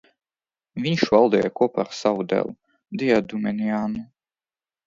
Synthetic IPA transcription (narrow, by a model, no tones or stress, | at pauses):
vʲiɲʃvalˠd̪ɛjakɔpa̰ɾsavud̪ɛ̰lˠ | d̪ijad̪umɛnʲiaːnu